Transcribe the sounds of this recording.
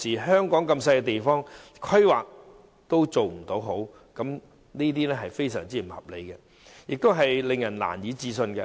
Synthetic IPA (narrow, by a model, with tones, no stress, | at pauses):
siː˨˩ɦœː˥ŋkɔː˨˥ŋkɐ˧msɐ˧jkɛ˧t̪̬e˨jfɔː˥ŋ | kʰɵ˥waː˨k̚ | t̪o˥wt͡so˨wm̩˨˩t̪o˨˥wɦo˨˥w | kɐ˨˥m | niː˥t̪̬iː˥nɛː˥ɦɐ˨jfe˥jsœ̰ː˨˩ŋt͡siː˥m̩˨˩hɐ˨p̚le˨˥jkɛ˧ | jɪ˨k̚t̪o˥wɦɐ˨jlɪ˨ŋjɐ˨˩nla̰ː˨˩njiː˨˧t͡siː˧s̬ɵ˧nɡɛ˧